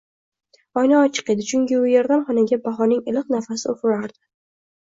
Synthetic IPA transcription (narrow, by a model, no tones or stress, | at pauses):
ɒjnaɒt͡ʃʰɨ̥qe̞d̪ɪt͡ʃʰʊŋkʲɪʊjeɾd̪anχɒnɪɡʲabaɦɒnɪŋɪlɨq̚nafasɪofɪɾaɾd̪̥ɪ̥